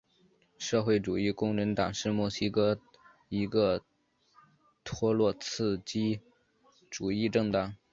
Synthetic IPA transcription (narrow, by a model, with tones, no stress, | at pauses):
ʂɤ˥˧xwe˥˩ɪʈ͡ʂu˨˩i˥˩kʊ˥ŋɻə˧˥nt̪ɑ˨˩ŋʂɻ̩˥˧mwɔ˥˩ɕi˥kɤ˥ | i˧˥ɡə˧ | t̪ʰwɔ˥lwɔ˥˧t͡sʰɹ̩˥˩t͡ɕi˥ | ʈ͡ʂu˨˩i˥˧ʈ͡ʂɤ˥˧ŋt̪ɑ˥˩ŋ